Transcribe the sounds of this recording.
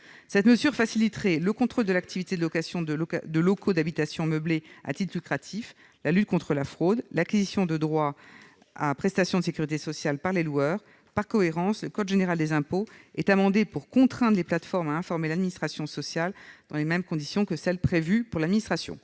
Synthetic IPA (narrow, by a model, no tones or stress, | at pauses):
sɛt̪məzyʁfasilit̪χɛləkɔ̃t̪χold̪əlak̚t̪ʰivit̪ed̪əlɔkasjɔ̃d̪əd̪əlɔkʰod̪abit̪asjɔ̃məblea̰t̪it̪χlykχat̪ʰif | lalyt̪̚kɔ̃t̪χəlafχod̪lakʲizisjɔ̃d̪əd̪ʁwa | a̰pχɛst̪asjɔ̃d̪əsekʲyʁit̪esɔsjalpaʁlelwœːʁ | paʁkɔeʁɑ̃sləkɔd̪ʒeneʁald̪ezɛ̃poɛt̪amɑ̃d̪epuʁkɔ̃t̪χɛ̃d̪ʁleplat̪fɔʁmaɛ̃fɔʁmelad̪minist̪χasjɔ̃sɔsjald̪ɑ̃lemɛmkɔ̃d̪isjɔ̃kəsɛlpχevypuʁlad̪minist̪χasjɔ̰̃